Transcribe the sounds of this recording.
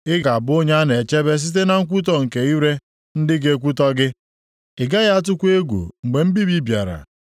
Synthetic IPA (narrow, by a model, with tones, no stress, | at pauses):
ɪ˦ɡa˨bʊ˦o˦ɲ˦a˦ne˨t͡ʃe˦be˦s̬i˦t̬e˦na˨ŋ̩˦k̬ʷu˦t̬ɔ˦ŋ̩˨ke˨i˦ɾe˦ | n̩˦dɪ˦ɡe˦k̬ʷu˦tɔ˦ɡɪ˦ | ɪ˨ɡa˦ɣa˦a˦t̬ʊ˦kʷe˦ɡʷṵ˨ŋ͡m̩˨ɡ͡be˨m̩˦bi˦bi˦bja˨ɾa̰˨